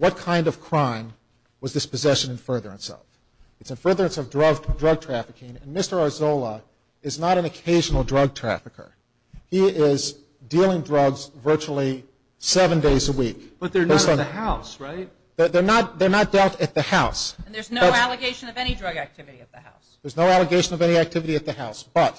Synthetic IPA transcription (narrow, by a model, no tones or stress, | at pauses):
wʌt̚kʰãɪ̃ndʌv̥kʰɹ̥ãɪ̃m | wʌzðɪspɨzɛʃɨ̃nɨ̃nfɜ˞ðə˞ɨ̰̃nsʌ̰v̥ | ɨtsɨ̃nfɜ˞ðə˞ɨ̃nsʌvdɹʌɡdɹʌɡ̚tʰɹ̥æfɨkʰɪ̃ŋɨ̃nmɪstə˞ɑzoʊlˠə | ɨznəɾɨ̃nɨkʰeɪʒn̩l̩ˠdɹʌɡ̚tʰɹ̥æ̰fɨkə̰˞ | iɪz | dilˠɪ̃ŋdɹʌɡzvɜ˞t͡ʃul̩ˠi | sɛvɨ̃ndeɪzəwikb̥ʌt̪̚ðə˞eɪ̃ðɨhaʊsɹaɪt̚ | ðə˞ðə˞nət̪̚ðə˞nət̚d̥ɛlˠtɨt̪̚ðɨhaʊsn̩ðə˞znoʌælˠəɡeɪʃɨ̃nʌvɛñidɹʌɡæk̚tʰɪvɨɾiɨt̪̚ðɨha̰ʊsðə˞znoʊælˠəɡeɪʃɨ̃nʌvɛniæk̚tʰɪvɨɾiɨt̪̚ðɨhaʊsb̥ʌt̚